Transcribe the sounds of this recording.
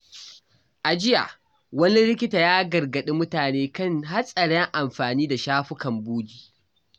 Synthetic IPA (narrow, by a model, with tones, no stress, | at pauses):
ʔa˨d͡ʒɪ˦ja̰˨ | wɐ˦ni˦ɾɪ˦k̬ʲɪ˦taː˨jaː˦ɡɐ˨ɾɡɐ˨ɗi˦mʊ˦taː˨neː˦kɐ˦˨ŋɦa˦sʼɐ˨ɽɛ˦ŋʔa˨mɸaː˨niː˦da˨ʃaː˦ɸʊ˦kɐ˨mbuː˦ɡʲiː˦